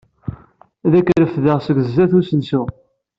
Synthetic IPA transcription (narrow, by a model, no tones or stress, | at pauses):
ðækːɾəfðəʁsəɡəzːæθusənsu